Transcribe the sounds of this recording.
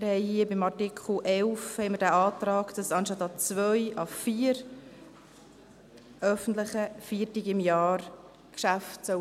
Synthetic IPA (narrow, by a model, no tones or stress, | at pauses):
mɪɾhɛɪhiəbɪmɑrtikʰχl̩ʔɛlfhɛɪməɾdæːʔɑːt̪ɾɑːɡd̥ɑsɑnʃtɑt̪ːɑt͡svœʏʔɑfiːəɾ | ʔœfən̩t̪lɪχəfiːtiɡɪmjɑːɾ | kʃaftsœ